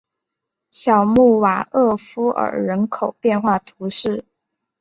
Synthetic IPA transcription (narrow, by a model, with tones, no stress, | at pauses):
ɕjɑ˨˩ʊmu˥˩wa˨˩ɤ˥˩fu˥ʔə̰˨˩ɻə˧˥nkʰo˨˩ʊpjɛ˥˧nxwa˥˩t̪ʰu˧˥ʂɻ̩˥˩